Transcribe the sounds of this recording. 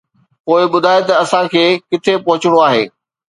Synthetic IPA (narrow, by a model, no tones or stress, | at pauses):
poːɪɓʊd̪ʱaːet̪ɐɐsãkʰeːkɪt̪ʰepɐɦʊt͡ɕɪɽ̃oaːɦḛː